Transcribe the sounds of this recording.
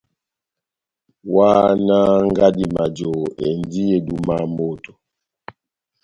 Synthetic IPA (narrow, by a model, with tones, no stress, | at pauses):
wa˦na˦ŋ˦ɡa˦di˨ma˨d͡ʒo˨ḛ˨n˨˦di˦e˨du˨ma˦mo˦˨to̥˨